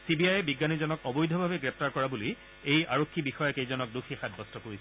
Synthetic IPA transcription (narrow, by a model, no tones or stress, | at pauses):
sibiajɛbiɡːanizɔnɔkɔbɔjdʱɔbʱabɛɡɹɛp̚taɹkɔɹabuli | ejaɹokʰːibixɔjɔkejzɔnɔk̚duxixat̚bɔstɔkoɹis